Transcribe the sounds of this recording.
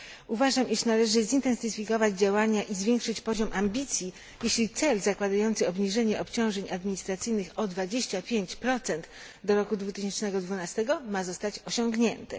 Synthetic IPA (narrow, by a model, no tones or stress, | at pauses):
uvaʐamʔiʂnalɛʐɘzint̪ɛnsɘfʲikɔvad͡ʑd͡ʑawaɲaʔizvʲjeŋkʂɘt͡ɕpɔʑɔmʔambʲit̪sʲji | jeɕlʲit̪sɛlzakwad̪ajɔnt̪sɘɔbɲiʐɛɲɛʔɔpt͡ɕɔ̃w̃ʐɛɲad̪mʲiɲist̪ɾat̪sɘjnɘxɔd̪vad͡ʑeɕt͡ɕapʲjeɲt͡ɕpɾɔt̪sɛnt̪ | d̪ɔɾɔkud̪vut̪ɘɕɛnt͡ʂnɛɡɔd̪vunast̪ɛɡɔmazɔst̪at͡ɕɔɕɔŋɡɲɛnt̪ɛ̰